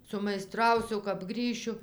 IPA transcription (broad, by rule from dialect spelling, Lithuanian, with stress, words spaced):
sʊmɐɪˈstrɐʊsʲʊ kɐp ˈɡrʲiːʃʲʊ